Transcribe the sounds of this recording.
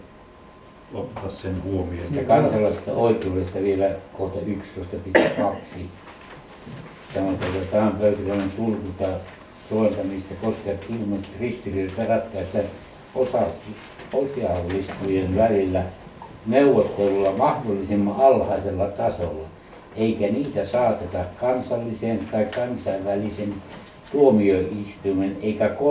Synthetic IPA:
ot̪ːɑːssenhuomisst̪ːækɑnsɑlˑɑˑisest̪ɑ̰oˑikˑeudest̪ɑʋielækoht̪ɑykst̪oˑist̪ɑpist̪ækɑksi | sɑnot̪ot̪ɑt̪ææmpøyt̪ærænent̪ulkut̪ɑ | soelt̪ɑnist̪ækoskeɑt̪ilmut̪rist̪irirt̪ærɑt̪ːˑæːsit̪e | osɑ | osiɑlːist̪ujenʋælilːæ | meuʋot̪ːelulːɑmɑhdolːisimːɑɑlhɑˑiselːɑt̪ɑsolːɑ | eikæniːt̪æsɑːt̪et̪ɑkkɑnsɑlːiseːnt̪ɑikkɑnsɑiʋʋælisen | t̪uomioist̪uimeneikæko

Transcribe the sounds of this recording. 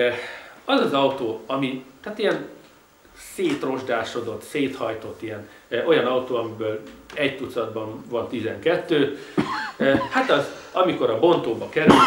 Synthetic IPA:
ɒzɒzɒut̪oːɒmihaːt̪ijɛn | seːt̪ro̞ʒd̪aːʃo̞d̪o̞t̪seːt̪hɒjt̪o̞t̪ːijɛn | ʔo̞jɒnɒut̪oːɒmibøːlɛɟt̪ut̪sɒd̪bɒnvɒnt̪izɛŋkɛt̪ːøː | hat̪ɒzɒmiko̞ɾɒbo̞nt̪oːbɒkɛɾy

